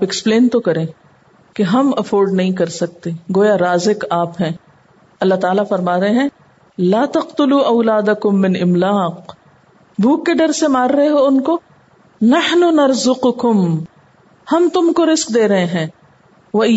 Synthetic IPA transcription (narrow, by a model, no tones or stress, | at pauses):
pɛkspleːnt̪okɐɾẽː | keɦɐmɐfoːɾɖnɐɦĩkɐɾsɐk̚t̪eɡoːjaɾaːzɪqaːpɦɛ̃ː | ɐlːat̪aːlafɐɾmaːɾɦeɦɛ̃ː | laːt̪ɐqt̪ʊluːʔɐʊlaːd̪ɐkʊmːɪnɪmlaːq | bʱuːkːeɖɐɾsemaːɾːɐɦeɦoʊnko | nɐħnʊnɐɾzʊqʊkʊm | hɐmt̪ʊmkoɾɪsk̚d̪eːɾɐɦeɦɛ̃ː | ʋɐ